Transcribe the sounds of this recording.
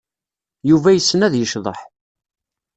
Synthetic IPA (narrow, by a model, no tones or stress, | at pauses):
juvæjəsːənæðjəʃðˤə̰ħ